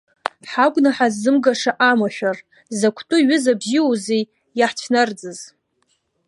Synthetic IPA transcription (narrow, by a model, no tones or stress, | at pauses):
ħaɡʷʼnaħazːɨmɡaʂaʔamaʃᶣar | zakʷʰtʼʊɥɪzabziozej | jaħt͡ɕʷʰnard͡zɨz̥